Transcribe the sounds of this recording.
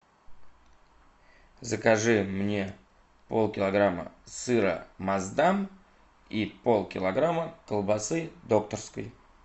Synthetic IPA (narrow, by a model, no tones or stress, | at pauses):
zəkɐʐɨmnʲe̞ | po̞̰lˠkʲɪlˠɐɡɾamə̰sɨɾə̰mɐzd̪am | ipolˠkʲɪlˠɐɡɾaməkəlˠbɐsɨd̪o̞k̚t̪ərskə̰j